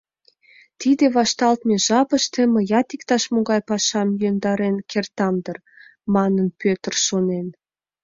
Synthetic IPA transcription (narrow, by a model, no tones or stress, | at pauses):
t̪id̪ĕβɑʃt̪ɑlt̪meʒɑpəʃt̪emə̆jɑt̪ikt̪ɑʃmoɣɑjpɑʃɑmjønd̪ɑɾenkert̪ɑmd̪ər | mɑnənpøt̪ə̆rʃonen